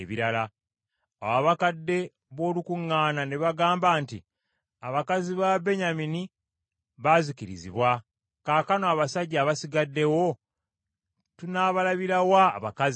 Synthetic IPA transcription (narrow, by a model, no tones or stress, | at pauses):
βiɾala | awaβakadːe̞ | βo̞ːlukuŋːaːnaneβaɡaːmbaːntḭ | aβakaziβabe̞ɲamini | βazikiɾḭzḭβwa | kaːkanoaβasaɟːaːβasiɡadːe̞wo̞ | tunaβalaβiɾawa̰ːβa̰kazi